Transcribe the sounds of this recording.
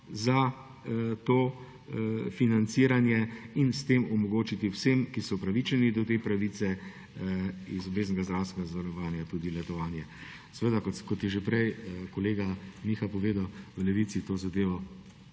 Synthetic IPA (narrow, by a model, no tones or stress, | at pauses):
za | t̪oː | finant̪siːɾanjɛinst̪eːmɔmɔɡoːt͡ʃit̪iwsemkisɔpɾaʋit͡ʃɛnid̪ɔt̪eːpɾaʋit̪sɛ | izɔbeːznɛɡazd̪ɾaːwst̪ɛɡazaʋaɾɔʋaːnjat̪uːd̪ilɛt̪ɔʋaːnjɛ | sʋeːd̪akɔkɔt̪jɛʒepɾɛjkɔleːɡamixapɔʋeːd̪awʋəlɛʋit̪sit̪oːzad̪eːʋɔ